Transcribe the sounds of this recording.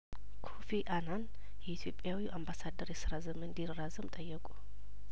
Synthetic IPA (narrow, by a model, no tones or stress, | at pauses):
kʰofiʔanan | jɛit̪ʰjo̞pʼjawiʔambasad̪ːəɾjɛsɨɾazəmɨnd̪irːazəmt̪ʼəjːɛkʼu̥